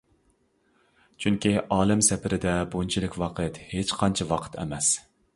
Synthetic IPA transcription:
t͡ʃʰyŋkʲiʔɑːlˠɨmsɛpʰɪɾɪd̪ɛbont͡ʃʰilɪkʲwɑqʰɨt̪het͡ʃqʰɑnt͡ʃʰɑwɑqʰə̥t̪ʰɛ̰mɛs

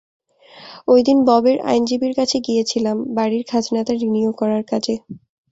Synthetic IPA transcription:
ojd̪inbɔbeɾa̰jnd͡ʑibiɾkat͡ɕʰeɡijet͡ɕʰilambaɽiɾkʰad͡ʑnat̪aɾiniokɔɾaɾkat͡ɕʰe

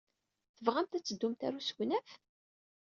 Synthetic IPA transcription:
θəvʁæmt̪æt͡sːəd̪ːumt̪æ̰ɾusɡnæf

